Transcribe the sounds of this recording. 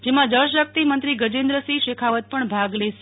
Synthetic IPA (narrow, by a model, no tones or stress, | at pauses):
d͡ʒemãd̪əɾʃʋjək̚t̪imənt̪ɾiɡəd͡ʒẽnd̪ɾəsiʃekʰaʋət̪̚pəɳbʱaɡleʃe